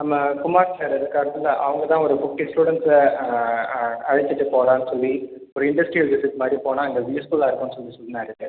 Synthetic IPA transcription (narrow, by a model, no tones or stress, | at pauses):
nɐmːɐkʊmaːɾsaːɾɐðɯkːaːɾɐtɪlːɐʔɐʋɐŋɡɐt̪ãːɔɾɯbʊkːɪsʈuːɽɐns | ɐɻɐt͡ʃːɯʈːɯpoːɽãːnːɯsɔlːi | ɔɾɯɪɳɖɐsʈɾiʋɪsɪʈːmaːd̪ɾipoːnãːɐŋɡɐʋiːjɐskuːlaːɪɾɯkːɯnːɯsɔlːisɔlːɪnːaːɪɾɯkːɯ